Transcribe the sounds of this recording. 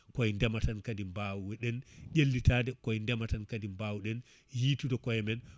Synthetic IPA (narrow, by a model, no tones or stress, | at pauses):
kɔɛndɛmatankadimbawuwɛɗɛnʔelːitadɛkɔɛndɛmatankadimbawuɗɛn | jiːtudɔkɔjɛmɛn